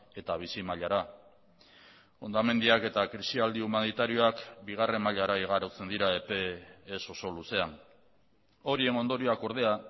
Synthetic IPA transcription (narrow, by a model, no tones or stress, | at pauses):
e̞t̪aβ̞isimaʎaɾa | o̞nd̪ame̞nd̪iake̞t̪akɾisiald̪iumanit̪aɾio̞akbiɣ̞are̞mːaʎaɾaiɣ̞aɾot͡se̞nd̪iɾae̞pe̞ːso̞so̞luse̞an | o̞ɾie̞no̞nd̪o̞ɾioako̞ɾð̞e̞a